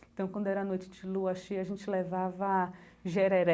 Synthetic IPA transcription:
t̪ɐ̃w̃kwɐ̃nd̪ʊɛɾɐanojt͡ʃɪ̥d͡ʒɪluɐʃejɐʒẽnt͡ʃɪlevavɐ | ʒɛɾɛɾɛ

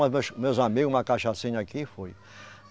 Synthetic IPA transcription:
ɐzmewʃmewzamiɡʊ̃mɐkaʃasĩɲɐakifoj

